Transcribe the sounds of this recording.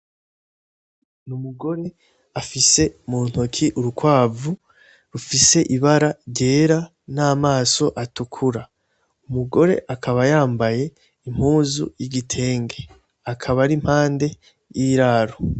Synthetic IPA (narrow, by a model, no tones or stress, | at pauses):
numuɡo̞ɾe̞ | afise̞muːn̥hokʰiʔuɾukwaːvu | ɾufise̞ʔiβaɾaɾɟe̞ːɾa | naːmaːso̞ʔatukʰuɾa | umuɡo̞ɾe̞̰ʔakʰaβajaːmbaje̞ | im̥huːzṵjiɡitʰe̞ːŋɡe̞ | akʰaβaɾim̥haːnde̞ | jiɾaːɾo